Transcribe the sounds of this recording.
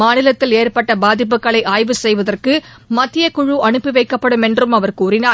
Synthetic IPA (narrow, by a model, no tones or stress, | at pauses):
aːnɪlɐt̪ːɪleːrpɐʈːɐbaːðɪp̬ːɯkːɐɭɐɪʔaːjʋɯsɛjʋɐðɐrkɯ | mɐt̪ːɪjɐkʊɻuɐɳɯpːiʋɐɪkːɐpːɐɽɯmɛndrɯmɐʋɐrkuːɾɪnaː